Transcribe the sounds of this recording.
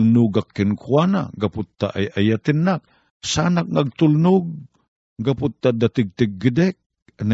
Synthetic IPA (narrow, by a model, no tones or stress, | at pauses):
lnʊɡakːɪnkʰwana̰ɡapʊt̪ːa̰ʔajʔajat̪ɪnːak̚ | sanak̚naɡ̚t̪ulnʊɡ̚ː | apʊt̪ːad̪at̪ɪɡ̚t̪ɪɡ̚ːɪd̪ɛk̚ | na